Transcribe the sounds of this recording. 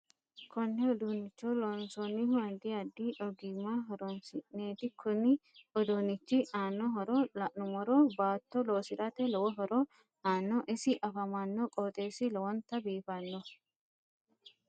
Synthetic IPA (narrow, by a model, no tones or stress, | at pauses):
kɔnːɛɔd̪unːɪt͡ʃːolɔnsɔnːɪhʊɐd̪ɪɐd̪ːiʔɔɡimaɦɔɾɔnsɪʔneːt̪ɪkʰʊnɪɔd̪onːɪt͡ʃːɪaːnːɔɦɔɾɔlɐʔnʊmɔɾɔbaːt̪ːɔloːsɪɾɐt̪ɛlɔwɔɦɔɾɔ | haːnːɔʔɪsɪʔɐfɐmɐnːɔkʼɔːt̪ʼeːsɪlɔwɔnt̪ːɐbiːfɐnːɔ